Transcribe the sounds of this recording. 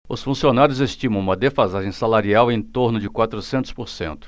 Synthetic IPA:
ʊsfũsionaɾjʊzest͡ʃĩmɐ̃w̃ũmɐd̪efazaʒẽj̃salaɾiawẽj̃t̪oɾnʊd͡ʒɪkwat̪ɾʊsẽnt̪ʊ̥spoɾsḛ̃nt̪ʊ̥

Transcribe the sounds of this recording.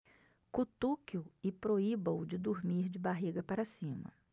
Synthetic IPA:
kut̪ukiuɪpɾoibɐ̃wd͡ʒɪd̪uɾmiɾd͡ʒɪbaɦiɡɐpaɾɐsĩmɐ̰

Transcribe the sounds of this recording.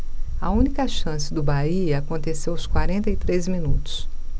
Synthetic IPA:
ɐ̰ũnikɐʃɐ̃sɪd̪ʊbaiɐakõnt̪esewʊskwaɾẽnt̪ɐit̪ɾezmĩnut̪ʊ̥s

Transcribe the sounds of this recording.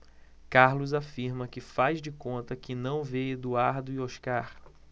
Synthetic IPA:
kaɾlʊzafiɾmɐkɪfazd͡ʒɪkõnt̪ɐkɪnɐ̃w̃ved̪uaɾd̪ʊioʃkaɾ

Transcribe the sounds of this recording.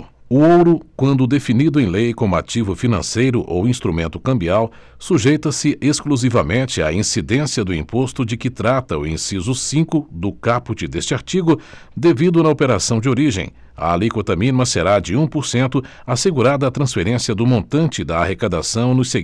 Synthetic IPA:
ʊowɾʊkwɐ̃nd̪ʊd̪efinid̪ʊẽj̃lejkõmʊa̰t͡ʃivʊfinɐ̰̃sejɾʊʔo̰wĩst̪ɾumẽnt̪ʊkɐ̃mbiaw | suʒejt̪ɐsɪʔeskluzivɐmẽnt͡ʃɪa̰ĩsid̪ẽsiɐd̪ʊĩpost̪ʊd͡ʒɪkɪt̪ɾat̪ɐuĩsizʊsĩkʊd̪ʊkaput͡ʃɪd̪est͡ʃɪaɾt͡ʃiɡʊ | d̪evid̪ʊnɐopeɾasɐ̃w̃d͡ʒɪoɾiʒḛ̃j̃ | ɐ̰lejkot̪ɐminmɐseɾad͡ʒɪũpoɾsẽnt̪ʊ | aseɡuɾad̪ɐːt̪ɾɐ̃sfeɾẽsiɐd̪ʊmõnt̪ɐ̃nt͡ʃɪd̪ɐahekad̪asɐ̃w̃nʊse

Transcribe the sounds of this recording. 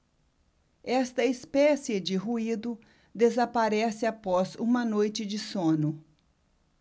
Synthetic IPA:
ɛst̪ɐispɛsiɐd͡ʒɪɦuid̪ʊ | d̪ezapaɾɛsɪapɔzũmɐnojt͡ʃɪd͡ʒɪsõnʊ

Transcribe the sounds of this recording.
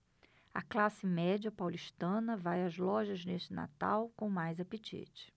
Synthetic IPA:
ɐ̰klasɪmɛd͡ʒɐpawliʃt̪ɐ̃nɐvajɐzlɔʒɐzneʃt͡ʃɪna̰t̪a̰wkõmajzapet͡ʃḭt͡ʃɪ̥

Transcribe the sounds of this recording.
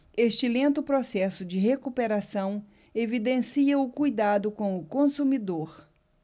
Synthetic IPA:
eʃt͡ʃɪlẽnt̪ʊpɾosɛsʊd͡ʒɪɦekupeɾasɐ̃w̃ | evid̪ẽsiɐʊkujd̪ad̪ʊkõw̃ʊkõsumid̪oɾ

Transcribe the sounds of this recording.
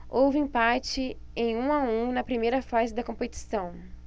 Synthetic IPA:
owvɪĩpat͡ʃɪ | ẽj̃ũaũnɐpɾimejɾɐfazɪd̪ɐkõpet͡ʃi̥sɐ̃w̃

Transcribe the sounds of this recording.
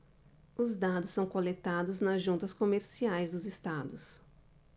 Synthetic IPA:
ʊzd̪ad̪ʊsːɐ̃w̃kolet̪ad̪ʊznɐzʒũnt̪ɐskomeɾsiajzd̪ʊzɪst̪ad̪ʊs

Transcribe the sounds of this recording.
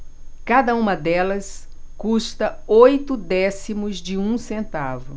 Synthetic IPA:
kad̪ɐũmɐd̪ɛlɐs | kust̪ɐojt̪ʊd̪ɛsimʊzd͡ʒɪũsẽnt̪avʊ

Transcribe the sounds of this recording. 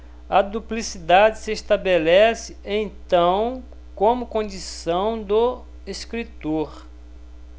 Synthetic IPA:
ɐd̪uplisid̪ad͡ʒɪsɪeʃt̪abelɛsɪẽj̃t̪ɐ̃w̃ | kõmʊkõd͡ʒisɐ̃w̃d̪ʊ | eskɾit̪oɾ

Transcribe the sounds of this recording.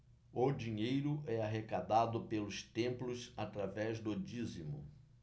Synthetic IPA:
ʊd͡ʒiɲejɾʊʔɛaɦekad̪ad̪ʊpelʊst̪ẽmplʊsat̪ɾavɛzd̪ʊd͡ʒizimʊ̰

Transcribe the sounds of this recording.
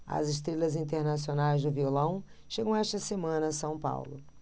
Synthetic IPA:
ɐ̰zɪʃ̬t̪ɾelɐzĩnt̪eɾnasionajzd̪ʊviolɐ̃w̃ | ʃeɡɐ̃w̃ɛʃt̪ɐsemɐ̃nɐːsɐ̃w̃pa̰wlʊ̰

